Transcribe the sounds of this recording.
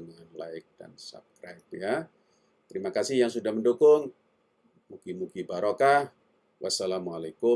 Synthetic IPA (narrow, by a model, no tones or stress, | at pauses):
ŋanlaɪk̚d̥a̰nsa̰p̚skɾajp̚ja | t̪əɾimakasɪhjaŋsudahməndukʊŋ | mukimukibaɾoka | wʔasalamualajkʊ